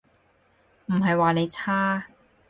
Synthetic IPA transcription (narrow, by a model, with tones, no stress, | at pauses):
m̩˨˩ɦɐ˨jwaː˨ne˨˧jt͡sʰaː˥